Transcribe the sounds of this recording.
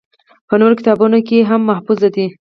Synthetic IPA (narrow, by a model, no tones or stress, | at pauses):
pənoɾokɪt̪ɑbunokeɦamːahfuzad̪i